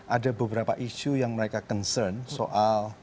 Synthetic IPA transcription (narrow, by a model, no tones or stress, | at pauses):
ʔadabəbəɾapaʔiʃujaŋməɾekakɔnsərnsoʔal